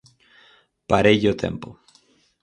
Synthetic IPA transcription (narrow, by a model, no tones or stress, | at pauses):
paɾeʎot̪ʰḛmpo